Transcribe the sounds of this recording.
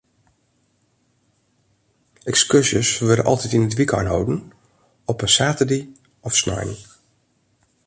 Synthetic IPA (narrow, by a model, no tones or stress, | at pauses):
ɛkskøsəsʋɪɹdə̰nʔɑ̰lˠtɛtinətʋika̰ɹnɦo̰wdən | ɔpənsaːtəde | ɔfsna̰jn